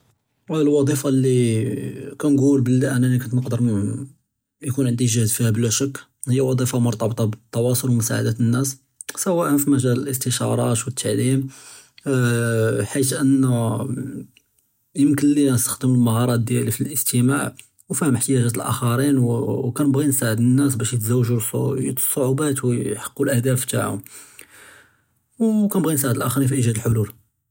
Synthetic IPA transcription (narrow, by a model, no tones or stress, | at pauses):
ælwɑd̪ˤifɑlːi | kænɡulbəlːiʔænænikont̪nəqd̪əɾ | jkunʕənd̪iʒəhd̪fihæblæʃəkː | həjːæwɑd̪ˤifɑmʊɾt̪ˤɑbt̪ˤɑbət̪ˤːɑwɑsˤolwmʊsaʕa̰d̪æt̪ənːæs | sæwæʔənfimæʒæləlʔəst̪əʃɑɾˤɑt̪wət̪ʰːaʕlim | ħit̪ʔənːæ | jəmkənlinəst̪ə̥xd̪əmulmɑhɑɾˤɑt̪̚d̪jælifilʔəst̪əmaʕ | wfihəməħt̪əjæʒæt̪əlʔæ̰xɑɾinwkænəbɣinsaʕəd̪ənːæs̬bæʃjət̪zæwːʒust̪sˤːoʕubæt̪wħɑ̥qːulʔæhd̪æft̪a̰ʕʊ̰m | wkænəbɣinsaʕəd̪əlʔæxɾinfiʔiʒæd̪əlħolul